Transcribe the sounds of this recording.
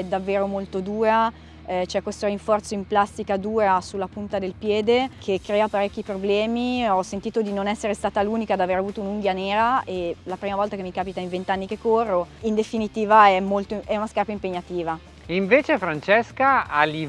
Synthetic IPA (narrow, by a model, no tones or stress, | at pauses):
ɛd̪avːeːɾomolt̪od̪uːɾa | t͡ʃɛkːwest̪oɾiɱfɔrt̪soimplast̪ikad̪uːɾasulːapunt̪ad̪elpjɛːd̪ekʰekːɾeːapaɾɛkːipɾoblɛːmiɔsːent̪iːt̪od̪inonɛsːeɾest̪aːt̪aluːnikad̪aveɾeavuːt̪ounuŋɡjaneːɾaelapɾiːmavɔlt̪akemːikaːpit̪aiɱvent̪anːikekːorːoind̪efinit̪iːvaɛmːolt̪oʔɛunaskarpaimpeɲːat̪iːva | iɱveːt͡ʃefɾant͡ʃɛskaali